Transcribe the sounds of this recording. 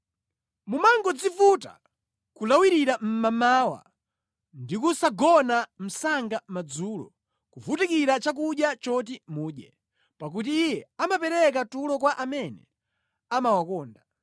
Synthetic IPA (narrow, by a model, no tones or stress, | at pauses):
mumaŋɡɔd͡zifuta̰ | kulawiɾiɾam̩mamaːwa̰ | ndikusaɡɔnam̩saŋɡamad͡zuːlɔ̰ | kuvutikiɾat͡ʃak̬uɗjat͡ʃɔt̬imuːɗjɛ | pak̬ut̬iːjɛamapɛɾɛk̬atulɔkwaʔamɛnɛ̰ | amawakɔːnda